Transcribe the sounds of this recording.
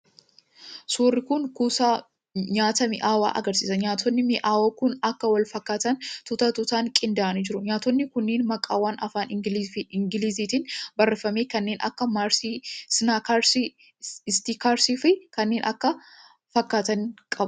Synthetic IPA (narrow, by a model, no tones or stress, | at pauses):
suːrːɪkʊnkuːsaː | ɲaːt̪ɐmɪʔaːwa̰ːʔɐ̰ɡɐɾsiːsɐɲaːt̪ɔnːɪmɪʔaːwoːkʊnɐkːɐwɐlfɐkːaːt̪ɐnt̪ʊt̪ɐt̪ʊt̪aːŋkʼɪnd̪aʔɐnɪd͡ʒɪɾʊɲaːt̪ɔnːɪkʊnːeːnmɐkʼa̰ːwaːnɐfaːnɪɪŋɡɪliːziːt̪iːnbɐrːɛfɐmeːkɐnːeːnʔɐ̰kːɐmaːɾsisnaːkaɾsi | ɪst̪ikaːɾsifɪkɐnːeːnʔɐkːɐ | fɐkːaːt̪ɐnkʼɐb